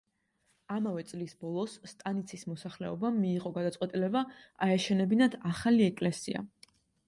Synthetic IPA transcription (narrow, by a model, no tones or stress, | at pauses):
amavɛt̪sʼlisbɔlˠɔsːt̪ʼanit̪sʰismɔsaχlɛɔbamːiːʁɔɡad̪at̪sʼwɛt̪ʼilɛbaaɛʃɛnɛbinad̪ʰaχaliɛkʼlɛsḭa̰